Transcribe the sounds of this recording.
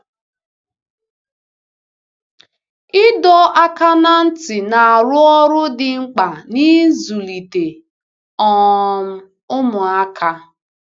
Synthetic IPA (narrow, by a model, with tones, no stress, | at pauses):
ɪ˦dɔ˦a˦ka˦na˦n̩˦tɪ˨na˨a˨ɾʊ˦ɔ˦ɾʊ˦dɪ˨ŋ͡m̩˦k͡pa˨ni˦zu˨li˨te˨ | ɔ˨m̩˦ | ʊ˦mʊ˨a˦kʰa˦